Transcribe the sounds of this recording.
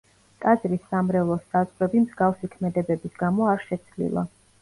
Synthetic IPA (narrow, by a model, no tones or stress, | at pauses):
t̪ʼad̪zɾisːamɾɛvlˠɔsːazʁɾɛbimzɡafsikʰmɛd̪ɛbɛbisɡamɔaɾʃɛt̪sʰlḭlˠa̰